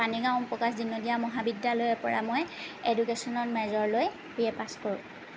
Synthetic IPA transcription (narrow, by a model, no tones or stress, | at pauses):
paniɡãʊ̃pɹɔkasdinːɔdijamɔɦabidjalojɛpɔɹa̰mojedukesɔnɔɹmɛzɔɹloj | b̥iɛpaskoɹʊ̰̃